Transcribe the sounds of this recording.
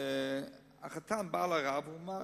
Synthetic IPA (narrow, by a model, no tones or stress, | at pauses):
a̰χatʰanbaːlˠaʁabuma